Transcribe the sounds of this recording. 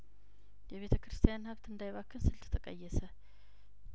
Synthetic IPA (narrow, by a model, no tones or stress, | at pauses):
jɛβe̞t̪ʰəkɾɨst̪ʰijanhəβt̪ɨnd̪ajβakʰːɨnsɨlt̪ʰɨ̥t̪ʰəkʼə̰jːɛsə